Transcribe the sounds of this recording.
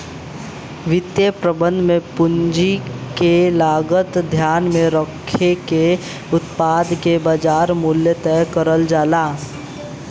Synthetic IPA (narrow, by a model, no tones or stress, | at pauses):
ʋɪt̪jepɾəbə̃nd̪ʱmẽpʊɲd͡ʒikelaːɡət̪d̪ʱjaːnmẽɾɔkʰːeke | ʊt̪paːd̪kebaːd͡ʒaːɾmʊljət̪ɛjkəɾəld͡ʒaːlaː